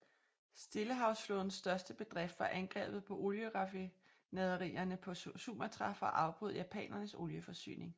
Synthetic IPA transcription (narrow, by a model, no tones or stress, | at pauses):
sd̥e̝ləɦɑ̈ʊsfloðˠn̩sːd̥ɶɐsd̥əb̥e̝d̥ʁɛfd̥fɑ̈ʔænɡ̥ʁɛ̰ːb̥ð̩ˠpʰɒ̽ʔo̝ljəʁɑ̈fi | nɛðˠɐʁḭːɐnəpʰɒ̽sṵːmɐt͡sʰʁɑ̈fɒʔɑ̈ʊb̥ʁuð̞̰ˠjæpʰɛ̰ːnɐnəso̝ljəfɒ̽sy̰ːne̝ŋ